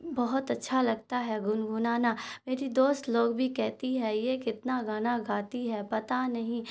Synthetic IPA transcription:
bɐɦʊt̪ɐtːʃʰalɐɡ̚t̪aɦɛɡʊnɡʱʊnaːnameːɾid̪oːst̪loːɡbʱikɛɦt̪iɦɛjekɪt̪naɡaːnaɡaːt̪iɦɛpɐt̪anɐɦĩ

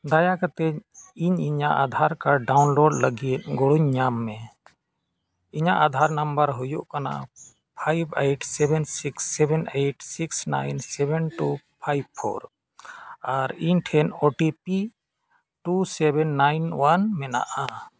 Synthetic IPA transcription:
d̪ajakat̪ɛiɲiɲa̰ʔad̪ʱaɾkaɖawnloɖləɡit̪̚ɡɔɽuɲːamːɛ | iɲaʔad̪ʱaɾnambəɾɦujuʔkana̰ʔ | pʰajbeʈsɛbɛnsiksːɛbʱɛneʈsiksna̰jnsɛbɛnʈu | pʰajb̚pʰɔ̰ɾ | aɾiɲʈʰɛnɔʈipi | ʈusɛbɛnːajnwanmɛna̰ʔa

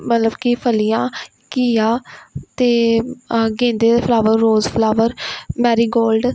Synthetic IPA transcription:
mət̪ləbkipʰəlijãː | kiaːt̪eː | ɡẽːnd̪eːd̪ːpʰlaːʋəɾːoːzpʰlaːʋəɾmɛːɾiːɡoːlɖ

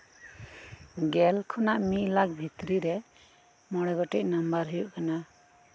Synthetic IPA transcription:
ɡɛlkʰɔnaʔmiʔlak̚bʱit̪ɾiɾɛ | mɔɽɛɡɔʈɛc̚nambaɾɦujuʔkana

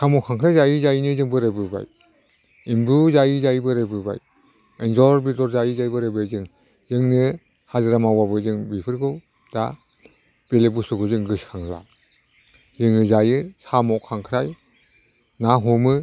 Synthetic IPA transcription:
sʰamɔkʰaŋkʰɾajzajɯzajinɯzɯŋbɯɾɯbɯba̰j | imbuzajizajbɯɾɯbɯba̰j | enzɔɾbidɔɾzajizajbɯɾɯbɯjzɯŋ | zɯŋnɯ | hazɯɾamawabɯzɯŋbipʰɯɾɡɯw | d̥a | b̥elebusɯɡɯzɯŋɡɯskʰaŋla̰ | zɯŋɯzajɯsamɔkʰaŋkʰɾaj | naɦɔmɯ

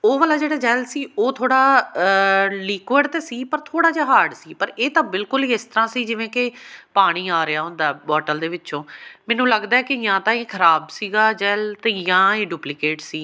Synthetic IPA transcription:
oːʋalaːd͡ʒeːɽaːd͡ʒɛːlsiːoːt̪ʰoːɽaː | liːkəɖt̪eːsiːpəɾt̪ʰoːɽaːd͡ʒaːɦaːɖsiːpəɾeːt̪ãːbɪlkʊliːɪst̪əɾãːsiːd͡ʒɪʋẽːkɪpaːɽ̃iːaːɾɪaːʊnd̪aːbɔːʈəld̪eːʋɪt͡ʃõːmɛ̃ːnũːləɡd̪aːɛːkɪjãːt̪ãːeːkʰəɾaːbsiːɡaːd͡ʒɛːlt̪ẽːjãːeːɖuːplɪkeːʈsiː

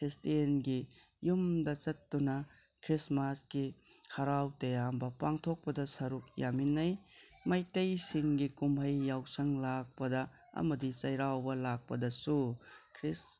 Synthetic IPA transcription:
kʰɾistienɡi | jumdɐt͡ʃɐtːunɐ | kʰɾismasɡihʰaɾawtɐjambɐpaŋtʰok̚pɐdɐsɐɾuk̚jaminːɐj | majtɐjsiŋɡikumhɐjːawsɐŋlak̚pɐdɐ | ɐ̰mɐdit͡ʃɐjɾawbɐlak̚pɐdɐsukʰɾis

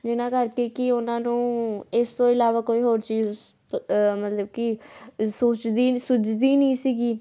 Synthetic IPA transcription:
d͡ʒɪnãːkəɾkeːkɪʊnãːnũːɪst̪õːɪlaːʋaːkoːiːɦoːɾt͡ʃiːz | mət̪ləbkɪsoːt͡ʃd̪iːsʊt͡ʃd̪iːnə̃ːsiːɡiː

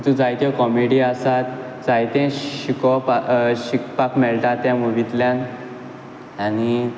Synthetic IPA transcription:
t̪ũd͡zajt̪jãkɔmeɽiasat̪d͡zajt̪ɛ̃ɕikɔpɕikpakmɛɭʈ̪at̪ːjamuʋit̪ljãn | añi

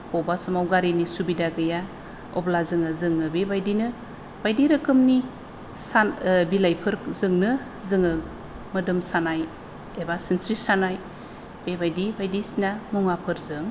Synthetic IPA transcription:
pɔbasɔmawɡaɾinisubidaɡɯja | ɔ̰blazɯŋɯzɯŋɯbebajdinɯ | b̥ajdiɾɯkɯmni | sabilajpʰɯɾzɯŋnɯ | zɯŋɯ | mɯdɯmsanaj | ebasinsɾisanaj | b̥ebajdibajdisinamuŋapʰɯɾzɯŋ

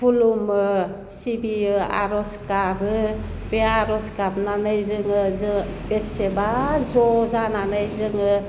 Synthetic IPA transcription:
bulumɯ | sibiɯa̰ɾɔskabɯbeaɾɔskab̚nanɯjzɯŋɯzɯbesebazɔzananɯjzɯŋɯ

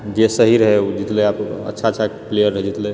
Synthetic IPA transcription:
d͡ʒesəɦiɾəɦed͡ʒit̪leaːpə̰tːʃʰaətːt͡ʃʰaplejəɾəɦɛd͡ʒit̪le

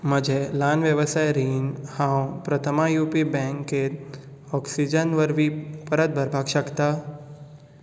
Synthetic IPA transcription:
məd͡ʒʱelaːnʋjəʋəsajɾinhãwpɾət̪ʰəmajupibɛ̃ŋkːe | ɔksid͡ʒənʋəɾʋipəɾət̪̚bʱəɾbʱaɡʃəkt̪a

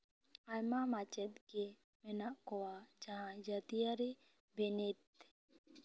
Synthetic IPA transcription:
ajmamat͡ʃɛt̪̚ɡe | mɛnaʔkɔwad͡ʒaɦãd͡ʒat̪ijaɾi | benet̪̚

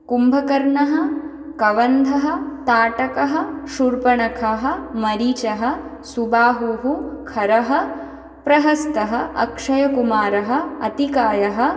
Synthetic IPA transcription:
kumbʱɐkɐɾɳɐɦɐ | kɐʋɐnd̪ʱɐɦɐ̆t̪aːʈɐkɐɦɐ̆ʃuɾpɐɳɐkʰɐɦɐ̆mɐɾiːt͡ʃɐɦɐ̆ | subaːɦuɦukʰɐɾɐɦɐ̆ | pɾɐɦɐst̪ɐɦɐʔɐ̰kʂɐjɐkumaːɾɐɦɐ̆ɐt̪ikaːjɐɦɐ̆

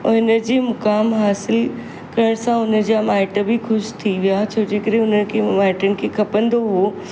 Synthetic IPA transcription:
ʊɦɪnə̆d͡ʑeːmʊkaːmɦaːsɪl | kɐɾəɽ̃sãʊnə̆d͡ʑamaːɪʈəbʱɪxʊʃt̪ʰiʋijat͡ɕʰoːd͡ʑeːkəɾẽʊnəkʰemaːɪʈənɪ̆kʰeːkʰɐpə̃nd̪oɦoː

